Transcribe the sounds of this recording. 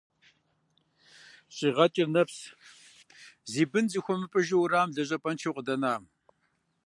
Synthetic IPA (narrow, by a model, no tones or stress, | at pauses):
ɕʼiːʁɐt͡ʃʼɪrnɐps | ziːbɨnziːxʷɔmɨpʼɨʒɪwɾaːmɮɐɕ̬ʼɐpʼɐnt͡ʃʰiwqʼədɐnaːm